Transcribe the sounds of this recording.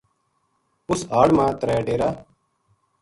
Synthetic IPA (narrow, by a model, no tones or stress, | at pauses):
ʊsɦaːɽmãːt̪ɾɛːɖeːɾaː